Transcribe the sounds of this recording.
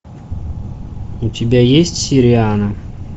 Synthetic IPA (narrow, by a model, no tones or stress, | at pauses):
utʲɪbʲajesʲtʲsʲɪɾʲɪanə